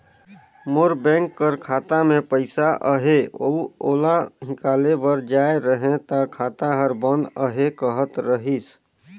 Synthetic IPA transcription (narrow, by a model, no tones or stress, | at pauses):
moɾbɛ̃ŋkːəɾkʰaːt̪amẽpəɪsaʔəɦeo̰oːlaɦɪkaːlebəɾd͡ʒaeɾəɦẽt̪akʰat̪aɦəɾbənd̪əɦekəɦət̪ɾəɦis